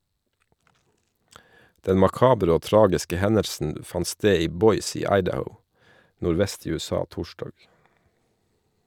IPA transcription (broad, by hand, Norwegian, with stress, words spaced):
ˈdɛn mɑˈkɑːbɾ ˈoː ˈtɾɑːɡɪskə ˈhɛnəɾsn̩ ˈfɑn ˈsteː ˈiː ˈbɔʏs ˈiː ˈɑɪdəhəʊ nʊɾˈʋɛst ˈiː ˌʉːɛˈsɑː ˈtuːʃdɑːɡ